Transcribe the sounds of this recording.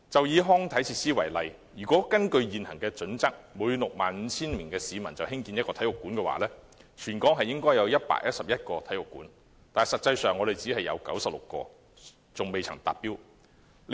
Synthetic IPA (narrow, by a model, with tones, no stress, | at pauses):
t͡sɐ˨wjiː˨˧ɦɔː˥ŋt̪ʰɐ˨˥jt͡sʰiː˧t̚siː˥wɐ˨˩jlɐ˨j | jyː˨˩kʷɔː˨˥kɐ˥nkɵ˧ɥjiː˨nhɐ̰˨˩ŋkɛː˧t͡sɵ˨˥nt͡sɐ˥k̚moː˨˧jy˧lʊ˨k̚maː˨nm̩ː˨˧t͡sʰiː˥nmɪ˨˩ŋkɛː˧siː˨˧mɐ˨˩nt͡sɐ˨wɦɪ˥ŋkiː˧njɐ˥t̚kɔː˧t̪ʰɐ˨˥jʊ˨kːuː˨˥nkɛː˧wa̰ː˨˥lɛː˥ | t͡ʃʰyː˨˩nkɔː˨˥ŋɦɐ˨jɪ˥ŋkɔː˥jɐ˨˧wjɐ˥t̚pa̰ː˧˥k̚jɐ˥t̚sɐ˨p̚jɐ˥t̚kɔː˧t̪ʰɐ˨˥jʊ˨kːṵː˨˥n | t̪aː˨sɐ˨t̚t͡sɐ˧jsœː˨ŋːɔː˨˧d̪e˨jt͡siː˨˥ɦɐ˨jɐ̰˨˧wkɐ˨˥wsɐ˨p̚lʊ̰˨kːɔ̰ː˧ | t͡sʊ˨ŋme˨jt͡sʰɐ˨˩ŋt̪a̰ː˨˩p̚piː˥w